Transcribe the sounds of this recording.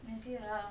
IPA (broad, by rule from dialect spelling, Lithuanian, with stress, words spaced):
nʲɛs ˈiːrɐ